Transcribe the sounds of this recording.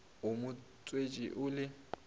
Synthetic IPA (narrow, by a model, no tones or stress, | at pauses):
ʊmʊ | t͡sʼwet͡ʃʼiʔʊːlɪ